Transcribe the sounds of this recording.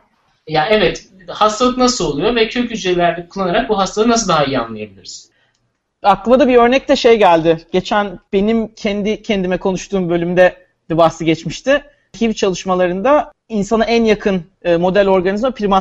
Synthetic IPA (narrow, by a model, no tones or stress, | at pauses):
jaɛvɛt̪ | hast̪ʰalˠɯknasɯlˠo̞lˠujo̞vɛcʰøcʲyd͡ʒelʲæɾd̪ɛkʰulˠːanaɾak̚buɦast̪ʰalɯnas̬ɯld̪aɦaijia̰nlˠajabilʲiɾiz̥ | aklˠɯmad̪abiø̞ɾnɛc̚t̪ɛʃe̞jɟælʲd̪ɪɟ̥et͡ʃʰænb̥e̞nimcʰɛnd̪ɪcʰɛnd̪imɛkʰo̞nuʃt̪ʰuːmbølʲymd̪ɛ | d̪̥ɛbahsɯɟɛt͡ʃmiʃt̪ʰɪ | hivt͡ʃʰalˠɯʃmalˠaɾɯnd̪a | insanaænjakʰɯn | ɯːmo̞d̪ælʲo̞ɾɡanizmapʰiɾima